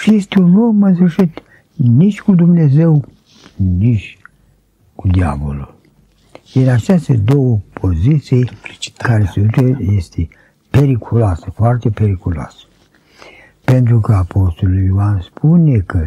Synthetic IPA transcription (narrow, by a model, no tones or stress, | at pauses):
ʃist̪unumənsɨʃit̪ | nit͡ʃʲkud̪umnezew | nit͡ʃʲ | kud̪ia̰vo̰lul | jeɾat͡ʃest̪ed̪owəpʰozit̪sijkaɾesut̪ejest̪ʰe | peɾikʰulasəfoart̪epeɾikuloa̰s | pent̪ɾukəapʰost̪olujuanspʰunekə